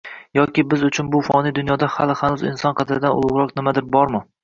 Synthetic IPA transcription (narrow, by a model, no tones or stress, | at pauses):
jɒkʲɪbɪzʊt͡ʃʰʊnbʊfɒnɪd̪ʊnjɒd̪aha̰lɪhanʊzɪ̰nsɒnqʰɑd̪ɪɾɪd̪anʊ̰lˠʊʁɾɒqnɪmad̪ɪɾbɒɾmɪ